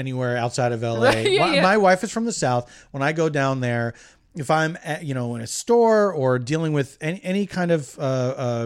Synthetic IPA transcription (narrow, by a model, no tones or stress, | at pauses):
ɛniwɛɹaʊtsaɪɾʌvɛlˠɪamaɪwaɪfɨz̥fɹʌ̃mðəsaʊθwə̃naɪɡoʊdãʊ̃nðə˞ | ɨfãɪ̃mɨjɨɾ̃oʊə̃nɨstɔɹə˞dilˠɪ̃ŋwɨðɛniʔɛñikʰãɪ̃ndʌv̥ʌʌ